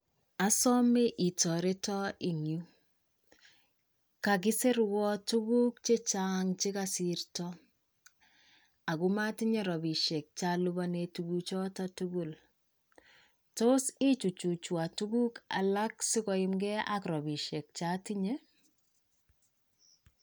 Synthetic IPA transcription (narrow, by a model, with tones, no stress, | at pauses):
a˨sɔ˦mɪ˦ʔi˨tɔ˨ɾe˦tɔ˦ɪ˨ŋju˦ | ka˨k̬ɪ˦se˦ɾwɔ˦tu˦ɡu˦k̚t͡ʃe˦t͡ʃaŋt͡ʃɪ˦kasiɾtɔ | a˨ku˦ma˦ti˦ɲe˦ɾɔ˨bi˨ʃe˨k̚t͡ʃalubane˨tuɡut͡ʃɔ˦tatuɡu˨l | to˦si˦t͡ʃu˨t͡ʃu˨t͡ʃwa˨tu˦ɡu˦ka̰˨la˦ksɪ˦kɔ˨ɪmɡɛ˦a˦kɾɔ˨bi˨ʃe˨k̚t͡ʃati˦ɲe˦